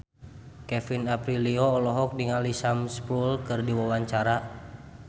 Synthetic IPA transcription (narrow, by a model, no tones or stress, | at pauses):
kɛfinapɾiliɔːlɔɦɔk̚diŋalisamspulkɨrdiwawaɲt͡ʃaɾa